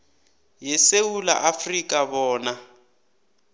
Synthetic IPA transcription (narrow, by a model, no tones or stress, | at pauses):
jɛsewula̰ʔafrikʼaβɔːna